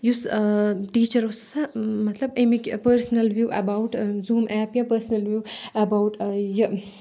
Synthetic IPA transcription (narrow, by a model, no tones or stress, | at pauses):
jusʈiːt͡ʃɐɾossamɐt̪ʰlɐbemikpɐɾsnɐlʋjuːʔɐ̰bawʈzuːmʔɛːpjapəɾsnɐlʋjuːɐbawʈjə